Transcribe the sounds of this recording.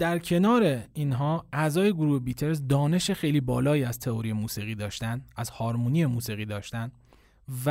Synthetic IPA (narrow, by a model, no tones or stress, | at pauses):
d̪̥æɾcʰe̞nɒːɾe̞iːnɦɒːæzɒːje̞ɡoɾuːhebiːt̪ʰe̞ɾzd̪ɒːne̞ʃexe̞jliːbɒːlɒːjiːæz̥t̪ʰeoɾijemuːsiɣiːd̪ɒːʃt̪ænæzhɒːɾmunie̞muːsiːɣiːd̪ɒːʃt̪æn | v